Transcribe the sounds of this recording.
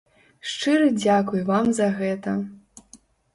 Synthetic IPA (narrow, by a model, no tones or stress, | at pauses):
ʂt͡ʂɨɾɨd͡zʲakujvamzɐɣɛt̪ɐ